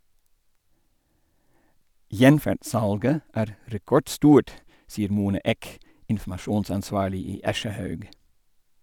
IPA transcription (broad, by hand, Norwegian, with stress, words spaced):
ˈjɛnfæɖˌsɑlɡə ˈæːɾ ɾɛˈkɔɖˌstuːʈ ˈsiːəɾ ˈmuːnɑ ˈeːk ɪnfm̩ɑˈʃuːnsɑnˌsʋɑːɭɪ ˈiː ˈɑʃəˌhœʉɡ